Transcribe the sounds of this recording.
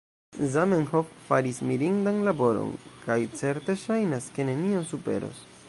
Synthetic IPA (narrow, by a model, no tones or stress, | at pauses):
zamenhofːaɾismiɾiŋdanlabo̞ɾo̰nkajt͡se̞ɾte̞ʃajnaske̞ne̞nionsupe̞̰ɾo̞̰s